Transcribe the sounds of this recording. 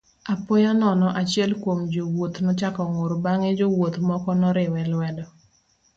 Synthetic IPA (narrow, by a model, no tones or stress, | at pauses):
apɔjanɔnɔʔat͡ʃɪɛlkwomd͡ʒowot̪nɔt͡ʃakɔŋoɾbaŋed͡ʒowot̪mɔkɔnɔɾɪwɛlwɛdɔ